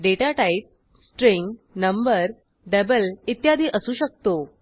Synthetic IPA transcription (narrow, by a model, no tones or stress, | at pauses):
ɖeʈaʈaip̚ | sʈɾiŋɡnəmbəɾ | ɖəbəlit̪jad̪ʱiːʔəsuːɕək̚t̪o